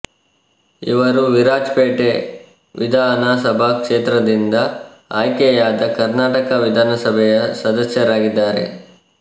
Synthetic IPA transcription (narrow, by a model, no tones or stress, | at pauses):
ḭʋɐɾuʋiɾaːd͡ʒpeːʈe | ʋid̪ʱaːnaːsɐbʱaːkʂeːt̪ɾɐd̪ind̪ɐ | aːjkɛjaːd̪ɐkɐɾnaːʈɐkɐʋid̪ʱaːnɐsɐbʱɛjɐsɐd̪ɐsjɐɾaːɡid̪ːaːɾḛ